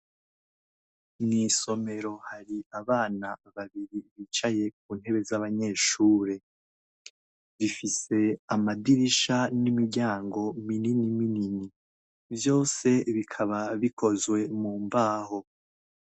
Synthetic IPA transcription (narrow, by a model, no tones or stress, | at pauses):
niːso̞me̞ɾo̞haɾiaβaːnaβaβiɾiβiːt͡ʃaje̞k̚uːn̥he̞βe̞zaβaɲe̞ːʃuːɾe̞ | βifise̞amadiɾiʃanimiɾɟaːŋɡo̞mininiminini | vjo̞ːse̞βikʰaβaβikʰo̞zwe̞muːmbaːho̞